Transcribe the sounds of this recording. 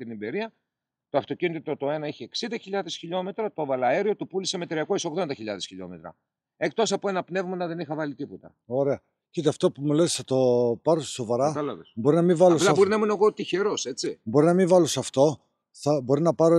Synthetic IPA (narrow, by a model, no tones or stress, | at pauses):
t̪inimbeɾiɐ | t̪oɐft̪o̞cinit̪it̪ot̪o̞e̞nɐeçieksind̪ɐçiʎɐðe̞sçiʎo̞me̞t̪ɾɐt̪o̞vɐlɐe̞ɾiot̪upulisemet̪ɾiɐko̞eso̞ɣðo̞nd̪ɐçiʎɐðesçiʎo̞̰me̞t̪ɾɐ̰ | e̞k̚t̪o̞sɐpoe̞nɐpne̞vmɐnɐðe̞nixɐvɐlit̪ipot̪ɐ̰ | o̞ɾe̞ɐ | cit̪eɐft̪o̞pumulesθɐt̪o̞pɐɾosso̞vɐɾɐɐlɐðesbo̞ɾinɐmivɐloplsɐbo̞ɾinɐemunɐeɣot̪içe̞ɾo̞se̞t͡sibo̞ɾinɐmiɱvɐlosɐft̪o̞ | θɐbo̞ɾinɐpɐɾo